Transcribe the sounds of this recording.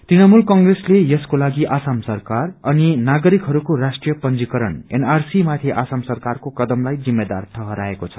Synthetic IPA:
t̪rinʌmulkʌŋɡreslejʌskolaɡiʔasamsʌrkarʌninaɡʌɾikɦʌɾukorasʈrijʌpʌnd͡zikʌɾʌnḛnarsimat̪ʰiʔasamsʌrkarkokʌd̪ʌmlajd͡zimːed̪a̰rt̪ʰʌɦʌɾaekot͡sʰʌ̥

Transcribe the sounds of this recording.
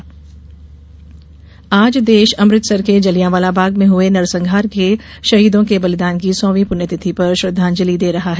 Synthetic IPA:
aːd͡ʒd̪eːʃɐmɾɪt̪sɐɾked͡ʒɐlijãʋaːlabʱaːɡmẽɦʊenɐɾsɐ̃ŋɡʱaːɾkeʃɐɦiːd̪õkebɐlɪd̪aːnkisɔ̃ːʋĩpʊnjət̪ɪt̪ʰipɐɾʃɾɐd̪ʱːaːnd͡ʒɐlid̪eːɾɐɦaɦɛ

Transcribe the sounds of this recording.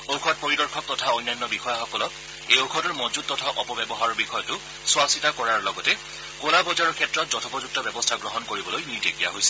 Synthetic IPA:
okʰɔt̚poɹidɔɹkʰɔk̚tɔtʰaojnːanːɔbixɔjaxɔkɔlɔk | ejokʰɔtɔɹmɔzut̚tɔtʰaʔɔpɔbɛbɔɦaɹɔɹbixɔjɔtʊ | swasitakɔɹaɹlɔɡɔtɛ | kolabɔzaɹɔɹkʰɛtɹɔtzɔtʰɔpɔzuk̚tɔbɛbɔstʰaɡɹɔɦɔnkoɹibɔlojniɹtekija̰ɦojsɛ̥

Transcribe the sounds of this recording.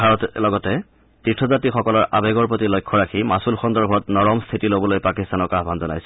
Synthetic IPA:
bʱaɹɔtlɔɡɔtɛ | titʰɔzatixɔkɔlɔɹʔa̰bɛɡɔɹpɹotilojkʰːɔɹakʰimasulxɔndɔɹbʱɔtnɔɹɔmstʰitilobɔlojpakistanɔkaɦbʱanzɔna̰jsɛ

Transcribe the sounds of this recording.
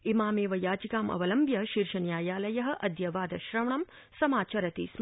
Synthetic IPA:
imaːmeːʋɐjaːd͡ʒikaːmʔɐ̰ʋɐlɐmbjɐʃiɾʃɐnjaːjaːlɐjɐɦɐ̆ʔɐd̪ʱjɐʋaːd̪ɐʃɾɐʋɳɐm | sɐmaːt͡ʃɐɾɐt̪ḭːs

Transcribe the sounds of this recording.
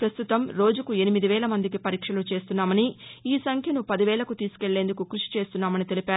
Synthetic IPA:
pɾɐst̪ut̪ɐmɾo̞ːd͡ʒukue̞nimid̪iʋɛːlɐmɐnd̪ik̬ipɐɾiːkʂɐlut͡ʃe̞ːst̪unːaːmɐniiːsɐŋkʰjɐnupɐd̪iʋɛːlɐkut̪iːsu̥ke̞ɭːe̞ːnd̪ukukɾuʂi̥t͡ʃe̞ːst̪unːaːmɐnit̪e̞lipaːɾ

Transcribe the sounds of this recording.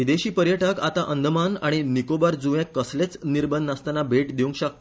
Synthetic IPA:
ʋid̪eɕiːpəɾjəʈəkat̪aʔənd̪ʱəmanaɽ̃inikobəɾd͡zuʋẽkːəslet͡sniɾbənːəst̪anabʱeʈd̪iũŋkɕəkt̪

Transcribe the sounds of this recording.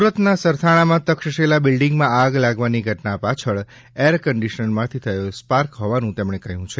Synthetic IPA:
suɾət̪nasəɾt̪ʰaɽ̃amãt̪əkʃəʃelabilɖiŋɡmãaɡlaɡʋaniɡʱəʈnapat͡ʃʰəɭ | eɾkəɳɖiʃənmãt̪ʰit̪ʰəjospaɾkɦɔʋanũt̪emɽ̃ekəɦjũt͡ʃʰe

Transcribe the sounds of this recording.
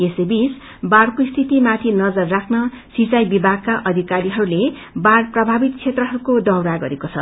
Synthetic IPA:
esebis | baɽkoist̪ʰit̪imat̪ʰinʌd͡zʌrːakʰnʌ | sit͡sajbibʱaɡ̚kaʔʌd̪ʱikaɾiɦʌɾule | baɽprʌbʱabit̪t͡sʰet̪rʌɦʌɾukod̪ʌwɾaɡʌɾekot͡sʰʌ

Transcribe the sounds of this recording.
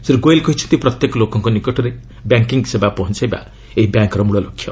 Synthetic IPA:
siɾɡojlkʌɦit͡sʰunt̪iprʌt̪jeklokɔŋkonikɔʈʌɾe | bjaŋkiŋɡsebapɔɦɔnt͡sʰajba̰ | eɦibjaŋkɾɔmuɽʌlokʰːjo̰

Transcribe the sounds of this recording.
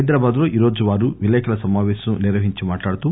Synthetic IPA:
jd̪ɾaːbaːd̪loːʔiːɾo̞ːd͡ʒuʋaːɾuʋilɛːkʰɐlɐsɐmaːʋɛːʃɐmuniɾʋɐɦiɲt͡ʃimaːʈlaːɽut̪u

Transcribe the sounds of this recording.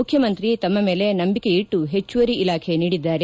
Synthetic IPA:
ukʰjɐmɐnt̪ɾit̪ɐmːɐmeːle̞nɐmbike̞iʈːuɦe̞t͡ʃːuʋɐɾiilaːkʰe̞niːɽid̪ːaːɾe

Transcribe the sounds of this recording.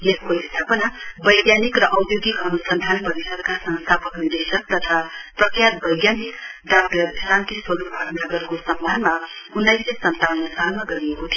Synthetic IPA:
lekʰkoist̪ʰapʌnabʌjɡjanikrʌʔʌwjoɡikʌnusʌnd̪ʱanpʌɾisʌɾkasʌ̃nst̪ʰapʌknird̪esʌk̚t̪ʌt̪ʰaprʌkʰjat̪̚bʌjɡjanikɖak̚ʈʌɾd̪ʱeɾant̪iswʌlubʱaɡnʌɡʌrkosʌmbʱanmaunːajsesʌnt̪awnʌsalmaɡʌɾiekot̪ʰij

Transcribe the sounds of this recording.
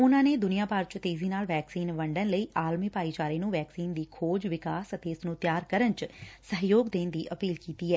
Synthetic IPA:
ʊnãːneːd̪ʊnijãːpaɾt͡ʃt̪eːziːnaːlʋɛːksiːnʋəɳɖənləiːʔaːlmiːpaːiːt͡ʃaːɾeːnũːʋɛːksiːnd̪iːkʰoːd͡ʒʋɪkaːsət̪eːɪsnũːt̪jaːɾkəɾənt͡ʃsəɦjoːɡd̪eːnd̪iːʔəpiːlkiːt̪iːɛː

